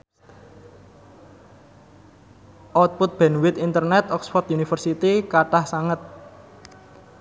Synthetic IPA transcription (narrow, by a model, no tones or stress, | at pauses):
ʔɔt̪̚pʊt̪̚b̥ɛ̤nwɪt̪int̪ərnɛt̪ɔksfɔrt̪junifərsit̪ikaʈahsaŋət̪̚